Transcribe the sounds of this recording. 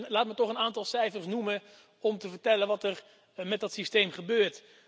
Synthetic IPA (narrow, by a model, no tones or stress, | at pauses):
laːtmətɔχənaːntɑlˠsɛjfəɹsnumə | ɔmtəvəɹtɛlənʋɑtər | mɛt̚dɑtsistejmχəbøːɹt